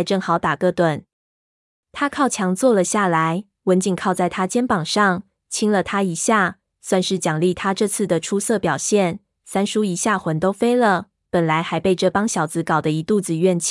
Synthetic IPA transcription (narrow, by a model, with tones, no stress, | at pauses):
ɪʈ͡ʂɤ˥˩ŋxɑ˧˥ʊt̪a˨˩kɤ˥˩t̪wə˨˩n | t̪ʰa˥kʰɑ˥˩ʊt͡ɕʰjɑ˧˥ŋt͡swɔ˥˩lə˩ɕja˥˩la˧˦ɪ | wə˧˦˥nt͡ɕi˨ŋkʰɑ˥˧ʊt͡sa˥˩ɪt̪ʰa˥t͡ɕjɛ˥npɑ˨˩ŋʂɑ˥˩ŋ | t͡ɕʰi˥ŋlə˨t̪ʰa˥i˧˥ɕja˥˩ | swa˥˧nʂɻ̩˥˩t͡ɕjɑ˨˩ŋli˥˩t̪ʰa˥ʈ͡ʂɤ˥˧t͡sʰɹ̩˥˩d̪ə˩ʈ͡ʂʰu˥sɤ˥˩pjɑ˨˩ʊɕjɛ˥˩n | sa˥nʂu˥i˧˥ɕja˥˩xwə˧˥nt̪o˥ʊfe˥ɪlə˨ | pə˨˩nla˧˥ɪxa˧˥ɪpe˥˧ɪʈ͡ʂɤ˥˩pɑ˥ŋɕjɑ˨˩ʊt͡sɹ̩˧˥kɑ˨˩ʊd̪ə˦i˧˥t̪u˥˨˩d͡zɹ̩˧ɥɛ˥˩nt͡ɕʰ